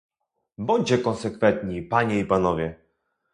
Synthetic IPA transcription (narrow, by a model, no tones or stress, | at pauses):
bɔɲd͡ʑɛkɔnsɛkfɛnt̪ɲipaɲɛipanɔvʲjɛ